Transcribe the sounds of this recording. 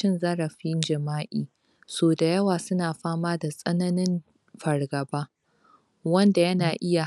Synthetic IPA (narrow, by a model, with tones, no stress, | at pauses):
ɪ˦nzɐ˦ɾɐ˨ɸi˦nd͡ʒɐ˨maː˦ʔiː˨ | soː˨da˨jɐ˦waː˨sʊ˦naː˨ɸaː˦maː˦da˨sʼɐ˦nɐ˦nɪ˦m | ɸɐ˨rɡɐ˨baː˦ | wɐ˦nda˨jɐ˦naː˨ʔɪ˦ja˨